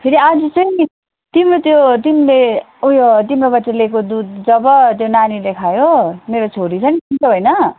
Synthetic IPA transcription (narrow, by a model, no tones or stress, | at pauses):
pʰiɾiad͡zʌt͡sʌj | t̪imrot̪jot̪inle | ujot̪imrobʌtːelekod̪ud̪̚d͡zʌbʌt̪jonanilekʰajomeɾot͡sʰoɾit͡sʰʌnt̪int͡soɦojnʌ